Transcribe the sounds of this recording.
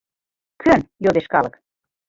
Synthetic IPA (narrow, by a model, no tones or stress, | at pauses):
kʰønjod̪eʃkɑlɤk